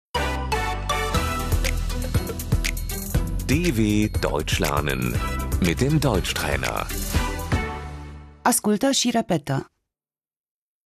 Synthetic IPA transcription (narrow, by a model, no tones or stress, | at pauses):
d̥eveːd̥ɔ̰ʏt͡ʃlɛ̰ɐnə̰nmɪt̚d̥eːmdɔʏt͡ʃtʁ̥ɛ̰ːnɐ̰ | ʔaskult̪əʃiɾepɛt̪ə